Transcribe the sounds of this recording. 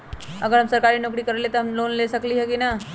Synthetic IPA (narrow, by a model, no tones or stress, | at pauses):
ɐɡəɾɦɐmsɐɾkaːɾinʊkɾikɐɾelet̪oɦɐmloːnlesɐkliɦɛkina